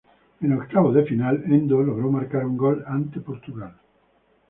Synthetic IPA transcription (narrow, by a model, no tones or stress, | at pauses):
enokt̪aβoðefinalend̪oloɣɾomaɾkaɾuŋɡɔlant̪epoɾt̪uɣal